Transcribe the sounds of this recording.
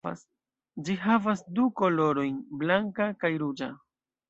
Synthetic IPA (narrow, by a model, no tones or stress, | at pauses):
a̰s | d͡ʒiɦavasduko̞lo̞ɾo̞jnblaŋkakajɾud͡ʒa